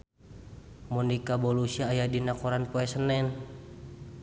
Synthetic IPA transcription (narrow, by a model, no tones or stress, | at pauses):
munikabɔlusiaːjadinakɔɾanpoɛsənɛn